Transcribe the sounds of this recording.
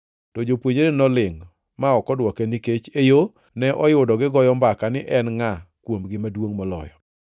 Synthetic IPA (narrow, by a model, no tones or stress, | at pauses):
tɔd͡ʒopwoɲedenɔlɪŋ | maɔkɔdwɔkeniket͡ʃejo | nɛʔɔjʊdɔɡɪɡɔjɔmbakanɪʔɛnŋakwomɡɪmadwoŋmɔlɔ̰jɔ̰